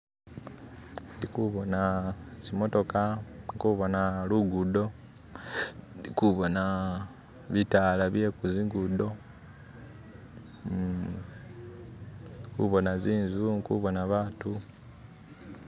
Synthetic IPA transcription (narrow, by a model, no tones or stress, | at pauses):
ndikuβo̞nasimo̞to̞kaŋkuβo̞naluɡudo̞ | ikuβo̞na | βitalaβje̞kuziŋɡudo̞ | kṵβo̞naziːnzuŋkuβo̞naβaːtu